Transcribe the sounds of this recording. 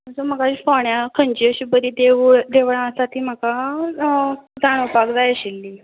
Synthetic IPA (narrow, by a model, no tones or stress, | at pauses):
məsəm̤əkaɕifɔɳjakʰəɲt͡ɕiəɕibəd̪id̪eʋɭd̪eʋɭãsat̪ʰiːm̤aka | d͡zaɽ̃əpakd͡zajəɕilːi